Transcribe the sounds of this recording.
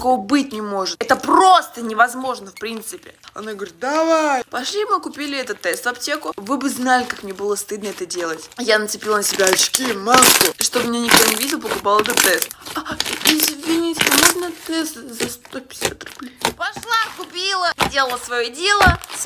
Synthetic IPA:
koəbɨt̚ʲnʲɪmo̞ʐɨt̪ɛt̪əpro̞st̪ənʲɪvɐzmo̞ʐnəfpɾʲint̪sɨpʲɪɐ̰naɡəvəɾʲɪt̪̚d̪avajpɐʂlʲimɨkʊpʲilʲɪɛt̪ət̪ːɛst̪vɐptʲe̞kʊvɨbɨznalʲɪkakmnʲebɨlˠəst̪ɨd̪nəɛt̪ədʲe̞lˠətʲjanət̪sɨpʲilˠənəsʲɪbʲaɐt͡ɕkʲimaskʊʂt̪obmʲɪnɲʲenʲɪkt̪onʲɪvʲidʲɪlˠpəkʊpalˠɛt̪ət̪ːɛst̪ɐɪzʲvʲɪnʲitʲɪɪmoʐnəɛt̪t̪ːɛst̪zɐst̪opʲɪ̥sʲa̰t̪rʊb̥lʲejpɐʂlˠakʊpʲilˠəzʲdʲelˠəlˠəsvɐjodʲelˠəs

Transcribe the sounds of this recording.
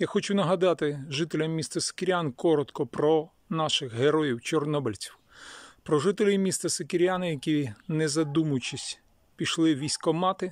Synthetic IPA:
jaxɔt͡ʃunɐɦɐd̪ɑt̪ɪʒɪt̪elʲɐmːʲist̪ɐse̥keɾʲjankɔɾɔt̪kɔpɾɔ | nɑʃɪxɦeɾɔjiwt͡ʃɔrnɔbɪlʲt͡sʲi̥w | pɾɔʒɪt̪elʲimʲist̪ɐsekeɾʲjanɐjɐkʲinezɐd̪umʊjt͡ʃisʲ | pʲiʃlˠɪʋʲijsʲkɔmɑt̪ɪ

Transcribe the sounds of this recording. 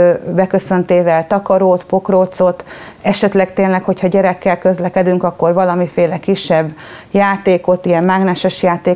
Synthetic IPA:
bɛkøsø̞nt̪eːvɛlt̪ɒkɒɾoːt̪po̞kroːt̪so̞t̪ɛʃɛt̪lɛkt̪eːnlɛkho̞chɒɟɛɾɛkːɛlkø̞zlɛkɛd̪yŋkɒkːo̞rvɒlɒmifeːlɛkiʃːɛbːjaːt̪eːko̞t̪ijɛmmaːɡnɛʃɛʃjaːt̪eː

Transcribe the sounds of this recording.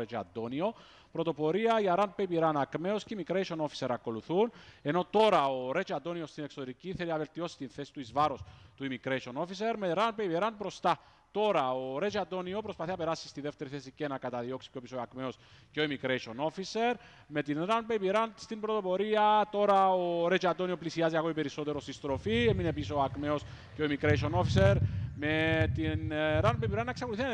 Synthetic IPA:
ɾet͡ʃa̰d̪onio̞ | pɾo̞t̪o̞po̞ɾiɐiaɾanpepiɾanakme̞osceimikɾeʃono̞fi̥se̞ɾɐko̞luθune̞no̞t̪o̞ɾɐoɾe̞t͡ʃad̪o̞nio̞st̪ine̞ksot̪e̞ɾiciθe̞liɐve̞lt̪io̞si̥t̪inθe̞si̥t̪uizvaɾost̪uimikɾeʃo̞no̞fise̞ɾme̞ɾanpepiɾanpɾo̞st̪a | t̪o̞ɾɐoɾe̞t͡ʃad̪o̞nio̞pɾo̞spɐθiɐpe̞ɾasːi̥st̪iðe̞ft̪e̞ɾiθesicenakɐt̪ɐðio̞ksi̥keopiso̞akme̞osceoimikɾeʃono̞fise̞ɾ | me̞t̪inɾanpepiɾanst̪imbɾo̞t̪o̞po̞ɾiɐt̪o̞ɾɐoɾe̞t͡ʃɐd̪o̞nio̞plisiaziɐɣo̞ipe̞ɾiso̞t̪e̞ɾost̪ist̪ɾo̞fiemine̞pisoakme̞o̞s | ceo̞imikɾeʃio̞no̞fiseɾme̞t̪inɾanpepiɾanːɐeksɐkouθi

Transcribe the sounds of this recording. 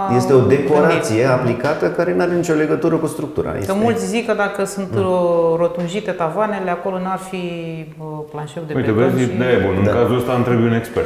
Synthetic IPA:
je̞st̪e̞o̞d̪e̞ko̞ɾaat̪sie̞aplikat̪əkaɾe̞naɾenit͡ʃʲo̞le̞ɡət̪uɾəkust̪ɾuk̚t̪uɾa̰jḛsəmult̪sʲzikəd̪akəsunt̪ɾo̞t̪unʒit̪e̞t̪avane̞leako̞lonuarfi | planʃewd̪ejt̪ebuazid̪aebunɨŋd̪akazuəst̪aamt̪ɾebujune̞ksper

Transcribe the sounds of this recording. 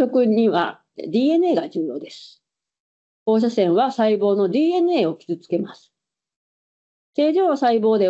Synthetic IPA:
o̞kɯ̟ɲ̟iβa̰ | d̪ʲiːe̞nɯ̟e̞ːɡad͡ʑɨːjo̞ːd̪e̞sɨ̥ | ho̞ːɕ̬asẽ̞ɰ̃βasaibo̞ːno̞d̪ʲiːe̞nɯ̟e̞ːokʲi̥zɨt͡sɨ̥ke̞masɨ̥ | t̪e̞ːʑoːsaibo̞ːd̪e̞

